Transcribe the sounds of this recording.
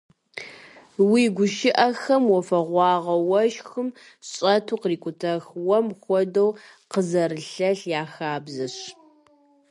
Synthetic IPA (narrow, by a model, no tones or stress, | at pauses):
wiːɡʷʊʃɪʔɐxɐmwɔfɐʁʷɑːʁɐwɐʃxɨm | ɕʼɐtʰuːqriːkʷʼʊtʰɐxwɔmxʷɔdɐw | qəzɐɾɨɬɐɬjaːxaːbzɐɕ